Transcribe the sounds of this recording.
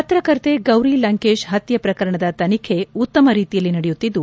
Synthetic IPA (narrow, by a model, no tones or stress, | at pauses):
ɐt̪ɾɐkɐɾt̪eɡɐwɾilɐŋkeːʃɦɐt̪jɐpɾɐkɐɾɐɳɐd̪ɐt̪ɐnikʰe̞ut̪ːɐmɐɾiːt̪ijɐlːinɐɽejut̪ːid̪ːu